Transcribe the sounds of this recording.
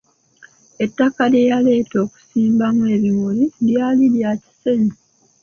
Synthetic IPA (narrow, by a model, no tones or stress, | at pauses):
e̞tːakaljejale̞ːto̞ːku̥siːmbamwe̞ːβimuliljaːliljaci̥seɲi